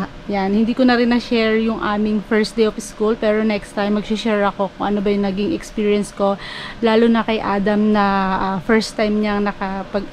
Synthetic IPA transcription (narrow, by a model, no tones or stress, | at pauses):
janhɪnd̪iːkonɐɾɪnːɐʃɛɹjʊŋʔaːmɪŋfɛɹsd̪ejʔofskulpɛːɹo̞nɛkst̪ajmːɐɡ̚sʊʃɛːɹɐko̞kʊŋʔɐnobɐjʊŋnɐɡiŋɛkspiːɹjɐnsko̞laːlonɐkɐjʔaːd̪ɐmnɐʔfɛɹst̪ːajmɲɐŋnɐkɐpɐɡ